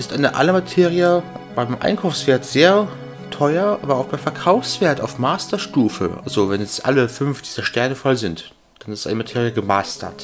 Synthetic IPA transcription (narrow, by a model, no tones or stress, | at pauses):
ʔɪstʔaɪnəʔa̰ləmatʰeːʁiɐb̥aɪmmʔa̰ɪnkʰaʊfsv̥eːɐtz̥eːɐ | tʰɔʏɐʔaːbɐaʊxb̥aɪmfɛɐkʰaʊfsv̥eːɐtaʊfmaːstɐʃtuːfəʔa̰lzovɛnjɛt͡stʔa̰ləfʏnfd̥iːz̥ɐʃtɛɐnəfalzɪnt | d̥anɪstʔa̰ɪnəmatʰeːʁijəɡəmaːstɐ̰t